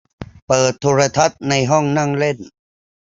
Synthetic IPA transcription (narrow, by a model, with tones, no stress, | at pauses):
pɤː˨˩t̪ʰːuː˧ɾa˧t̪ʰa˦˥t̪̚na˧jɦɔ˥˩ŋna˥˩ŋle˥˩n